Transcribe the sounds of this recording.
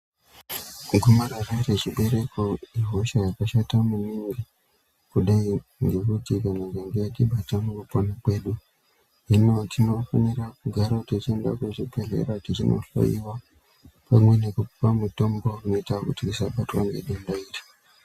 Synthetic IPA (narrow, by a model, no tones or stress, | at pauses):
ɡʱumaɾarereʐiɓe̞ɾe̞koiɦoʃajakaʃatamuniŋɡi | kuɗaiŋɡe̞kutikaneŋɡeŋɡejatiɓatamukuponakwe̞ːɗu | ɦino̞tʰino̞fanirakuɡʱaɾatit͡ʃienda̰kuʐipeɮḛɾatirino̰ɬo̰ḭwa | pamwe̞nekupamuto̞mboruno̞itakutikisaɓatwa̰ŋɡḛɗundairi